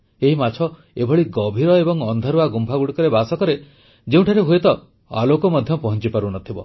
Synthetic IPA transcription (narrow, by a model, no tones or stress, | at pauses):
eɦimat͡ʃʰɔ | ebʱɔɭiɡɔbʱiɾɔebɔŋɔnd̪ʱaɾuaɡumpʰaɡuɽikɔɾebasɔkɔɾe | d͡ʒeũʈʰaɾeɦuet̪ɔ | a̰lokɔmɔd̪ʱjɔpɔɦɔnt͡ʃipaɾunɔt̪ʰibɔ̰